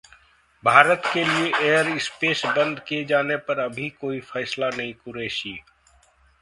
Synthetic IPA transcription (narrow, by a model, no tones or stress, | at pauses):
bʱaːɾət̪kelieʔeːəɾɪspeːsbɐ̃nd̪kied͡ʒaːnepɐɾɐbʱikoːifɛːslanɐɦĩkʊɾeːʃiː